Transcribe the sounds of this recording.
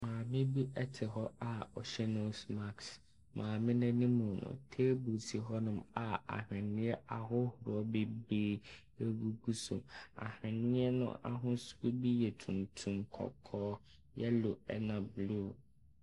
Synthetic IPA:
mãː˨mɪ̃˦bi˦ʔɛ˦tʰɪ˨ɦɔ˦a˨ɔ˨ɕɛ˦nõ˦sma˦˨ks | mʔãː˨mɪ̃˦nã˦nĩ˦mũ˨nʊ̰̃˨tʰe˦bu˨sʰi˨ɦɔ˦nʊ̃˦ma˨a̰˨hɪ̃˨nɪ̃˦ɛ˦ʔa˨ɦʊ˦hʊ˨ɾɔ˦be˦be˦ | e˦ɡu˦ɡu˦so̰˨ma̰˨hɪ̃˨nɪ̃˦ɛ˦nʊ̰̃˦ʔa̰˨ɦʊ̃˦su̥˦u˦bi˦jɛ˨tʰũ˨ntʰũ˨mkʰɔ̰˨kʰɔː˦ | jɛ˦lʊ˨ɛ̰˦nã˨blu˦˨

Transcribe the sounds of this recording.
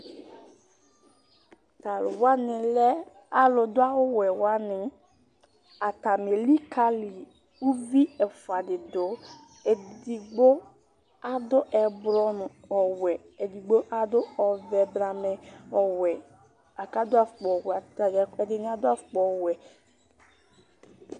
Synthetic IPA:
t̪a˨lʊ˨wa˦nɪ˨lɛ˦ | a˨lʊ˨dʊ˦a˦wʊ˦wɛ˨wa˦nɪ˨ | a˨t̪a˨me˨li˦ka˦li˨ | u˦vi˦ɛ˨fʊ˨a˨dɪ˨dʊ˨˦ | e˨di˨ɡ͡bo˦ | a˦d̪ʊ˦ʔɛ˨bɾɔ˦nʊ˨ | ɔ˨wɛ˨ | e˨di˨ɡ͡bo˦ʔa˦d̪ʊ˦ɔ˨vɛ˨bɾa˨mɛ˨ɔ˨wɛ˨ | a˨ka˦dʊ˦a˦˨fk͡pɔ˨wɛ˨a˨ɛ˨dɪ˨nɪ˦a˨dʊ˦a˦fʊ˨k͡pɔ˨wɛ˨

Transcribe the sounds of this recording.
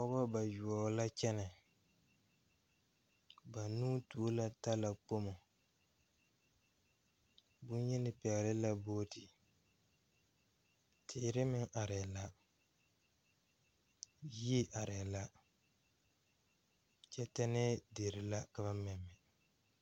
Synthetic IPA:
ɔ˦ba˦ba˨ju˨ɔ˨la˦t͡ʃɛ˦nɪ˨ | ba˨nuː˦tu˨˦la˦ta˦la˨k͡po˦mo˨ | bʊ˦njɛ˦nɪ˨pɛ˨ɣlɪ˦la˦boː˦tɪ˨ | tʰɪ˨˦ɾɪ˦mɪ˦ŋʔa˨ɾɛ˨la˦ | ji˦ʔa˨ɾɛ˨la˦ | t͡ʃɛ˦tɛ˦nɛ˦de˨ɾɪ˨la˦ka˨βa˦mɛ˨mːɛ˨

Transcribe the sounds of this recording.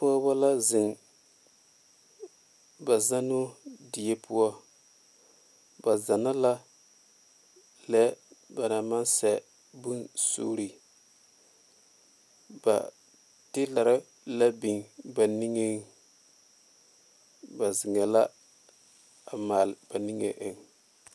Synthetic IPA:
pɔ˦ba˦la˦zɪ˨ŋ | ba˨za˦nʊ˦dɪ˨je˦pu˦wɔ˦ | ba˨za˨na˦la˦ | lɛ˦ba˨na˨ma˦nsɛ˨ | bu˦nso̰ː˦ɾi˨ | ba̰˨ | tɪ˦la˨ɾa˦ | la˦bi˨ŋba˨ni˦ŋe˦ŋ | ba˨zɪ˨ŋɛ˨la˦ | a˨maː˨lb̥a˨ni˦ŋḛ˨ʔe˨ŋ

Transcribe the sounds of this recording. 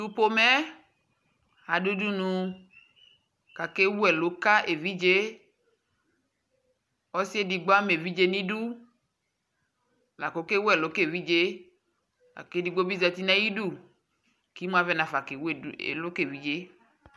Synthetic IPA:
tu˦po˦mɛ˦ | a˨du˦du˦nũ˧ | ka˨ke˦wu˦ɛ˨lo˨˦ka˦ʔe˨vi˦d͡ʒe˦ | ɔ˦si˦e˦di˨ɡ͡bo˦a˦me˨vi˦d͡ʒe˦nĩ˦du˦ | la˨ko˨˦ke˦wu˦ɛ˨lo˨˦ke˦˨vi˦d͡ʒe˦ | la̰˨ke˦di˨ɡ͡bo˦bi˦zɛ˧t̪i˦nɛ̃˦ji˦du˦˨ | ki˨˦mũ˦a˦vɛ˦nã˨fa˨ke˨wu˦e˦˨ḛ˨lo˦ke˦˨vi˨˦d͡ʒe˦

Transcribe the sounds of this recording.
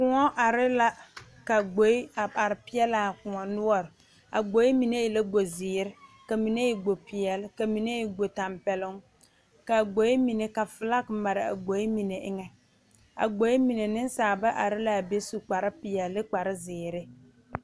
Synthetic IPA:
kʊ˨ŋɔ˦ʔa˨ɾɪ˦la˦ | ka˨ɡ͡bo˨˦i˦a˨a˨ɾɪ˨pɪ˦ɛ˦la˨kʊ˨ɔ˨nʊ˦ɔ˨ɾ | a̰˨ɡ͡bo˨˦i˦mi˨ne˦ɪ˨la˦ɡ͡bo˨zɪː˨ɾɪ˦ka˨mi˨ne˦ɪ˨ɡ͡bo˨pɪ˨ɛ˨lka˨mi˨ne˦ɪ˨ɡo˨ta˨mpɛ˨lʊ˦ŋ | ka˨ɡ͡bo˨˦i˦mi˨ne˨ka˨fɪ˨la˦kma˨ɾɪ˨a̰˨ɡ͡bo˨˦i˦mi˨ne˨ʔɪ˦ŋɛ˨ | a̰˨ɡ͡bo˨˦i˦mi˨ne˨nɪ˦nsaː˨ba˦ʔa˨ɾɪ˦la˨be˦su˨k͡pa˨ɾɪ˦pɪ˨ɛ˨lːɪ˦k͡pa˨ɾɪ˦zɪː˨ɾɪ˦

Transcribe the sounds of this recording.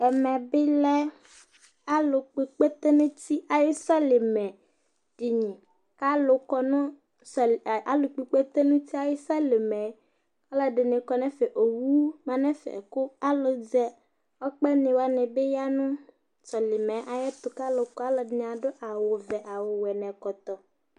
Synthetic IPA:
ɛ˨mɛ̃˨be˦lɛ˦ | a˦lo˨k͡pe˨k͡pe˦t̪e˦nũ˦ti˦a˨je˦sa˦le˨mɛ̃˨ | ɖ̥i˨ɲĩ˨ | ka˦lo˨kɔ˨nũ˦ | sla̰˦lo˨k͡pi˨k͡pe˦t̪e˦nũ˦t̪i˦a˦je˦sa˦le˨mɛ˨˦ | a˦la˦ɖe˨nẽ˨kɔ˨nɛ̃˦fe˨ʔo˨wu˦mã˨nɛ̃˦fɛ̰˨ko˦a˦lo˨d͡zɛ˦ | ɔ˦k͡pɛ˦nẽ˨wa˦nɛ̃˨be˦ja˦nũ˦ | sɔ˨li˨mɛ̃˨˦ʔa˨jɛ˦t̪o˨ka˦lo˨kɔ˦a˦le˨dɲ˨ã˨ɖo˦ʔa˨wo˨vɛ˨ʔa˨wo˨wɛ˨nɛ̃˨kɔ˨t̪ɔ˨

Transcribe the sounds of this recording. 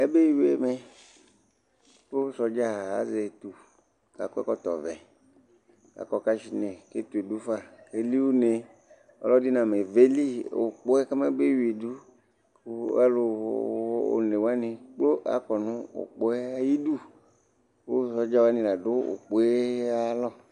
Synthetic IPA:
e˦be˦wi˨e˨me˨ | wo˦sɔ˨d͡ʒa˦˨a̰˨ze˨t̪u˨ | ka̰˨kɔ˦ɛ̰˦kɔ˦t̪ɔ̰˨vɛ˨ | ka̰˨kɔ˨ka˦ʃi˨ne˨ke˦t̪u˨e˨du˦fa˦˨ke˦li˦wo˦ne˨ | ɔ̰˦lɔ˦di˦nã˨me˨ve˦li˦o̰˨k͡po˦ɛ˦ke˦me˦be˦we˨du˦ | a˦lo˨˦ | o̰˨ne˨wo˦a˦nĩ˨k͡plo˦ʔa̰˦kɔ˨nʊ̃˦o̰˨k͡po˦ɛ˦a˦ji˦du˦˨ | wo˦sɔ˨d͡ʒa˦wa˦nĩ˨la˨dʊ˦o̰˨k͡po˦ɛ˦a˦lɔ˦

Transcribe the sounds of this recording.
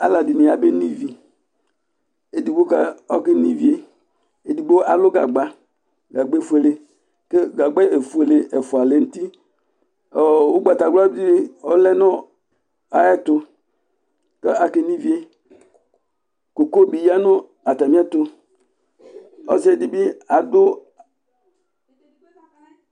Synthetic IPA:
a̰˦la˨dɪ˨nɪ˨a˨be˦ni˦vi˨ | e˨di˨ɡ͡bo˦ka˦ɔ˦ke˦ni˦vi˦e˨ | e˨di˨ɡ͡bo˦a̰˨lʊ˦ɡa̰˨ɡ͡ba˨ | ɡa˨ɡ͡bfu˦e˨le˨ | ke˦ɡa˨ɡ͡bɛ˦e˨fu˨e˨le˨ʔɛ˨fʊ˨a˨le˨˦n̩˦ti˦ | ɔ˨o˦ɡ͡ba˨ta˨ɡla˦dɪ˦ɔ˦lɛ˦nɔ˦ | a˨jɛ˦t̪ʊ˧ | ke˦a˨ke˦ni˦vi˦e˨ | ko˨ko˦bi˨ja˦nʊ˦ | a˨ta˨mĩ˦a˦t̪o˨ | ɔ̰˦zi˦e˨di˨bi˦a˨dʊ˦

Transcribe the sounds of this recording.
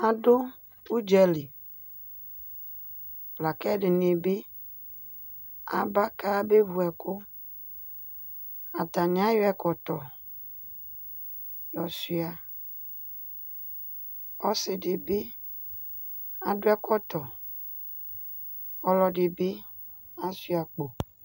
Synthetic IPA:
a˨dʊ˦ | u˦d͡ʒɛ˨lɪ˨ | la˨kɛ˦dɪ˨nɪ˨bɪ˦ | a̰˨ba˦ka˦be˦vu˨ɛ˨kʊ˦ | a˨ta˨nɪ̃˨˦a˦jʊ˦ɛ˨kɔ˨tɔ˨ | jɔ˨si˦a˨ | ɔ˦sɪ˨dɪ˨be˦ | a˨dʊ˦ɛ˦kɔ˦t̪ɔ˨ | ɔ˦lɔ˦dɪ˨be˦ | a˦si˦a˨k͡po˨

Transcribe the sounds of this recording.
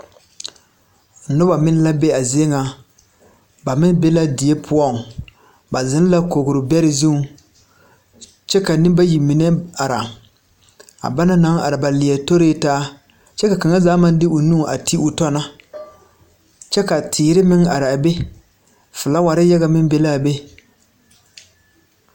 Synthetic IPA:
nʊ˦ba˨mɪ˦n˦la˦be˦a˨zɪ˦e˦ŋa˨ | ba˨mɪ˦nbe˦la˦dɪ˨e˦pʰʊ˦ɔ˦˨ŋ˨ | ba˨zɪ˦n˦la˦ko˨ɡʊ˨ɾʊ˨bɛ˦ɾɪ˨zu˦ŋ˨ | t͡ʃɛ˦ka˨nɪ˦ba˦ji˨mi˨nɛ˦a˨ɾa˨ | a̰˨ba˦na˦na˨˦ŋa˨ɾɪ˨ba˨lɪ˨ɛ˨to˦ɾeː˦taː˦ | t͡ʃɛ˦ka˨ka˨ŋa˦zaː˦ma˦n˦dɪ˦ʊ˨nu˦˨ʔa̰˨ti˦ʊ˨tɔ˦na˦ | t͡ʃɛ˦ka˨tʰiː˨ɾɪ˦mɪ˦ŋa˨ɾɪ˨a˨be˦ | fʊ˨la˦wa˨ɾɪ˦ja˦ɣa˨mɪ˦n˦be˦la˦˨be˦

